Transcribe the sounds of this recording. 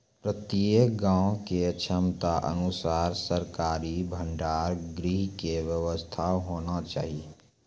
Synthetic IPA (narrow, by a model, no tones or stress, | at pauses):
pɾət̪iəkɡãːõket͡ʃʰəmt̪aʔə̰nʊsaːɾsəɾkaːɾibʱə̃ɳɖaːɾɡɾiɦkeʋjəʋəst̪ʰaɦoːnat͡ʃa̰ːɦie